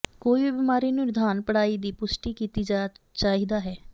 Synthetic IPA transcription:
koːibibɪmaːɾiːnũɾɪd̪ʱaːnpəɽaːiːd̪iːpʊsʈiːkiːt̪iːd͡ʒaːt͡ʃaːɦiːd̪aːɦɛː

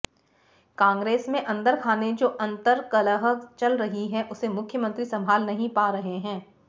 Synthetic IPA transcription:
kãːŋɡɾeːsmẽʔɐ̃nd̪əɾkʰaːned͡ʒoːʔɐ̃nt̪əɾkɐləɦəkt͡ʃɐlɾɐɦiɦɛ̃ʔʊsemʊkʰjəmə̃nt̪ɾisɐ̃mbʱaːlnɐɦĩpaːɾɐɦeɦɛ̃ː

